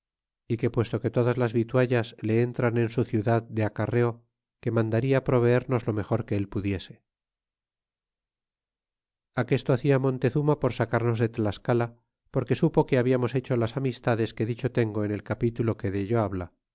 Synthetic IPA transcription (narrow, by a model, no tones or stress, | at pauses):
ike̞pwe̞st̪o̞ke̞t̪o̞ðazlazβit̪waʎasle̞ent̪ɾane̞nsuθjuðaðd̪e̞akare̞o̞ | ke̞mãnd̪aɾiapɾo̞β̞e̞eɾno̞zlo̞me̞xo̞ɾke̞elpuðje̞se̞̥ | ake̞st̪o̞aθiamõ̞nt̪e̞θumapo̞ɾsakaɾno̞zðe̞t̪laskala | po̞ɾke̞supo̞ke̞aβiamo̞se̞t͡ʃo̞lasamist̪aðe̞ske̞ðit͡ʃo̞t̪e̞ŋɡo̞ene̞lkapit̪ulo̞ke̞ðe̞ʝo̞aβla